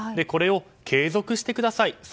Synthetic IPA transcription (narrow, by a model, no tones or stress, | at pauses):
d̪e̞ko̞ɾe̞o̞ | kʰe̞ːzokɯ̟ɕi̥t̪e̞kɯ̟d̪asais